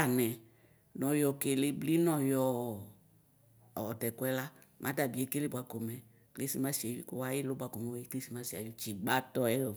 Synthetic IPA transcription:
a˨nɛ˨ | nɔ̃˨jɔ˨ke˨le˦bli˦nɔ˨jɔ˨˦˨ | ɔ˨tɛ˨kwɛ˦la˦ | mʔã˦ta˨bi˨e˨˦ke˦le˦bʷwa˨ko˨mɛ˨ | kle˦si˦ma˦si˨e˨wi˨ku˦wa˦jɪ˦lʊ˦bʷa˨ko˨mɛ˨we˦kli˦si˦mã˦si˨a̰˨ju˦t͡ʃi˨ɡ͡ba˦tɔ˦ɛ˦ɔ˨

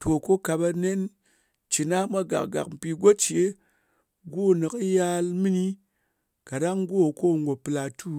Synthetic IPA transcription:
to˨ko˦ka˧ba˧ne˦n | t͡ʃi˨na˦mʷa˦ɡa̰˨kɡa̰˨km̩˨pi˧ɡʷo˦t͡ʃe˦ | ɡo˦˨nɨ˨ka˦ja˦lmi˦ni˦ | ka˨ɗa˦ŋɡo˦˨ko˦˨ŋɡo˨pɨ˧˨la˧tu˦

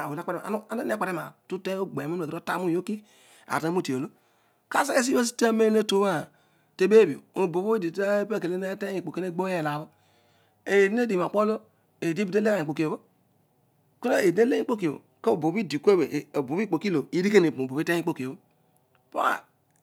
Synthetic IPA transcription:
a˨o˨n˨a˦k͡pa˦ɾe˦˨a̰˨n˦a˨˦no˦n˦a˦k͡pe˨ɾe˦ma̰˨tu˦te˦o˦ɡ͡be˨mo˦o˨ɾo˦ta˦mu˦˨jo˦ki˦ | a̰˨tu˦˨ti˨o˨lo˦ | ka˦se˦e˦s̬i˦o˦s̬i̥˦ta˦me˦ne˦to˦ma˦˨ | te˨be˦bi˨o̰˨o˨bo˨bo˦di˨˦a˦pe˦˨ke˨le˦ne˦te˦i˨k͡po˨ke˦ne˦ɡ͡bo˦e˦˨la˨bo˦ | e˨di˦e˦di˨ma˨k͡po˦lo˦ | e˨di˦bi˨te˦le˦a˨i˨k͡po˨ki˨o˨bo˦ | ku˦o˦e˨˦e˦le˦i˦k͡po˦k̬i˨o˨o̰˨ke˦o˨bo˨bi˦˨di˨ke˦be˨bo˨βi˦k͡po˨ki˦lo˨i˦ɾi˦ke˦ne˨pbo˨bi˦te˦i˦k͡po˦ki˨o˨bo˦ | po̰˦a̰˨

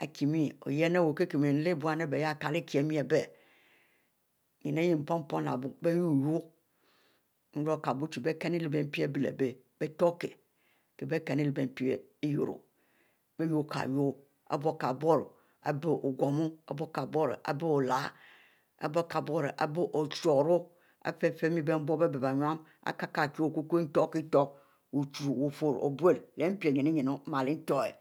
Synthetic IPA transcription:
a̰˨ki˨mĩ˦˨o̰˨jɛ˦ne˦˨wo˨ke˦ke˨m˨e˨n̩˦le˦bu˨˦a˨˦ne˦be˨ja˦˨ka˨lɪ˦ki˨ɛ˨mĩ˦ɛ˨bɛ˦˨ | ɲi˨ne˦ji˦m̩˨pɔ˦m˦pɔ˦na̰˨bʊ˨be˦ju˦˨jo˦ | n̩˦ɾo˦ka˨bu˦t͡ʃu˨be˦kɛ˦ni˦li˨be˨m˦pi˦e˦bi˨lḛ˨be˦ | b̥e˦tɔ˦ke˨ | ke˨be˦kɛ˨ni˦li˨be˨m˨pi˦e˦e˦jo̰˨ɾṵ˨ | be˦ju˦˨kʰa̰˨jo˦ | a̰˨bo˦ka˨bo˦ɾ | a̰˨be˦ʔo˨ɡʷo˨mu˦a̰˦bo˦ka˨bo˦ɾʔa̰˨be˦o˨la˨˦ | a̰˨bo˦ka˨bo˦ɾʔa̰˨be˦ʔo˨t͡ʃo˨ɾu˦ | a̰˨˦fe˦fe˦mi˦be˦m̩˦bo˦be˦be˨ba˨ɲ˦a˦m | a̰˦ka˦ka˨ki˦o˦˨ku˦ku˦n̩˦to˦ki˦to˦k̚ | wu˨t͡ʃu˨ɾwo˨fo˦ɾo̰˨bʷe˦lle˨˦m̩˦pi˦e˨ɲe˨ni˦ɲe˨no˦ma˨li˦n̩˦to˦ḛ˨

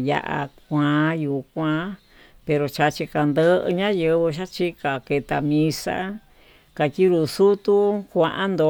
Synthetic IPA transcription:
ja̰˧ʔa̰˧kʷã˨˧juː˨kʷã˧˦ | pe˧ɾo˧t͡ʃa˧t͡ʃi˧ka˧nd̪ə˦ʔɲã˦jɨ˧βɨ˧ʃa˦t͡ʃi˦ka˨ke˧t̪a˧mĩ˧sa̰˦ | ka˨˧ti˦ɾu˧su˦t̪u˦kʷã˧ʔã˦nd̪o˧

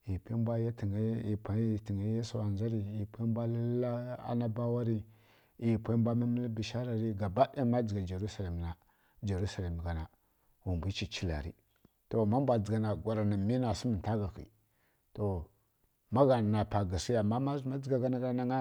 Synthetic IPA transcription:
i˨pi˦bʷa˦ja˦ti˨ŋ˦i˨pʷa˦ti˨ŋi˦je˦so˨a˨nd͡ʒa˦ɾi˨i˨pʰʷi˦mbʷa˦la˦la˦a̰˦na˦ba˦wa˦ɾi˦ | i˨pʷa˦bʷa˦ma˦mi˦lbi˨ʃa˦ɾa˨ɾi˦ɡa˨ba˦ʔa˦ma˦d͡ʒi˨ɡa˨d͡ʒa˨ɾu˦sa˨la˨m˨na˨ | d͡ʒa˨ɾu˦sa˨la˨m˨ɡa˨na˨ | wu˨mbi˦t͡ʃi˨t͡ʃi˦la̰˨ɾḭ˦ | to˨ma˦mbʷa˨d͡zi˨ɡa˨na˨ɡʷa˨ɾa˨na˨mi˦na˨si˦mi˨n˨ta˦ɡa˨xḭ˨ | to˨ | ma˦ɡa˨n˨na˨pa˨ɡa˨si˦a˨mːa˦ma˦zu˨ma˦d͡zi˨ɡa˨ɡa˦na˦ɡna˦ŋa˦

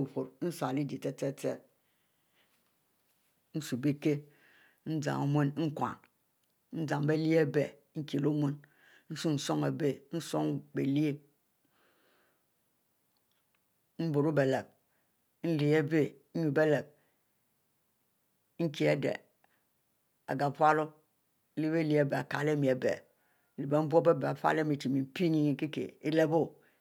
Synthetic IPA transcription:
u˨ɸo˨ɾn̩˦sa˨li˦di˨te˦te˦te˦ | n̩˦su˨be˦ke˦ | n̩˦d͡za̰˨o˨me˦n˦n̩˦kʷa̰˨n | n̩˦d͡zã˨ŋbe˦li˦e˦be˨ | ŋ̩˦ki˨lo˦me˦n | n̩˦su˦n̩˨so˦ŋe˨be˦n̩˦so˦ŋbe˨li˦e˦ | m̩˦bo˨ɾu˦be˨le˨b̚ | n̩˦li˨e˦be˦n̩˦u˨be˦le˨b̚ | ŋ̩˦ki˨e˦dḛ˨ | a̰˨ɡa˨pʷa˦lo˦ | li˦be˦li˦e˦be˨a˨ka˨le˦˨mi˨e˨bḛ˨ | li˨be˨m̩˦bu˦o˦be˦be˨a˨fa̰˦le˦mi˨ti˨mi˨m̩˦pi˦ni˦ki˦kḛ˨i˦le˦bo˦

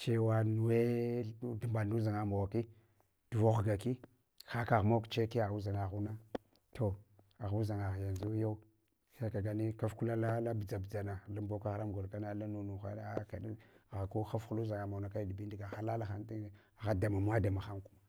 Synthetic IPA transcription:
t͡ʃe˦wa˦nu˨we˦du˨mba˨u˦za˨ŋa˨ma˨wa˨ki˦ | d̥u˨vo˦xɡa˨ki˦ | xa˦ka˨ɣmo˦kt͡ʃe˦ki˦a˨ɣu˦za˨ŋa˨ɣu˦na˦ | tʰo˨ | a˨ɣu˦za˨ŋa˨ɣja˨nzu˦jo˦u˦ | sa˦ka˨ɡa˨ni˦ka˦fku˦la˦la˦la˦bi˨d͡za˨bd͡za˨na˨la˦mbo˦ka˦ɣɾa˦mɡo˨lka˦na˦la˦nu˦nu˨xa˦ka˨ni˦˨ɣa˨ko˦xa˦fu˦lu˦za˨ŋa˨ma˨wna˨ka˦di˨bi˦ndi˨ɡa˨xa˦la˦la˦xa˦nti˦ | a˨ɣa˦da˨ma˨m˦a˦da˨ma˨xa˦ŋku˦ma˨

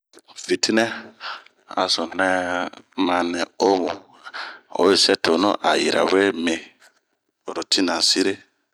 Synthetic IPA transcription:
vi˨tʰi˦nɛ̃˦ | a̰˨so˨nɛ˦mã˨nɛ̃˨o˦mu˨ | o̰˦je˨sɛ˦to˨no̰˦ʔa̰˨ji˨ɾa̰˨we˦mẽ˨ | o˨ɾo˨tʰi˦nã˨si˦ɾe˦

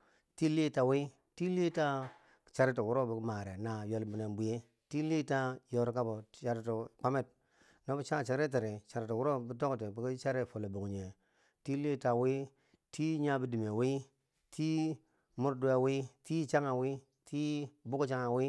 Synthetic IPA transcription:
ti˦li˦ta˨wi˦ | ti˦li˦ta˦ | t͡ʃa˨ɾi˦t̬i˨wu˦ɾo˦bi˨˦ma˨ɾe˨na˨jo˨lbi˨ne˨nbu˨je˦ | ti˦li˦ta˦jo˦ɾka˦bo˨t͡ʃa˨ɾto˨k͡pa˦me˦˨t̚ | no˦bu˦t͡ʃa˦˨t͡ʃa˨ɾe˦t̬i˨ɾi˨t͡ʃa˨ɾi˨to˨wu˦ɾo˦bi˨˦to˦kti˨bi˨ki˦t͡ʃa˦ɾe˦fo˨le˨bo˨ŋ˨ɲe˨ | ti˦li˦ta˨wi˦ | tʰi˦ɲa˦bi˦di˨me˨wi˦ | tʰi˦ | mu˦ɾdu˦e˨wi˦ti˦t͡ʃa˦ŋa˨wi˦ | tʰi˦bu˦kt͡ʃa˦ŋa˨wi˦

